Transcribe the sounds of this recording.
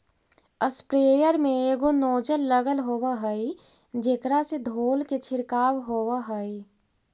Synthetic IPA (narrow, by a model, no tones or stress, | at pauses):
əspɾeːjəɾmẽeːɡonoːd͡ʒəlːəɡəlɦoːwaɦəi | d͡ʒeːkɾased̪ʱoːlket͡ʃʰɪɾkaːwɦowaɦəi